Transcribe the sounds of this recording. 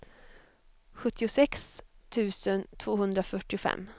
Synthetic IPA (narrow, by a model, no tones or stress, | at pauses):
ɧɵt̪ːɪʊsɛkst̪ʰʉ̟ːsənt̪ʰvoːhɵnd̪ɾafœʈːɪʊfɛ̰mː